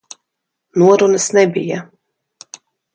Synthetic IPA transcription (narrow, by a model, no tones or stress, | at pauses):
nuɔɾunəsnɛbija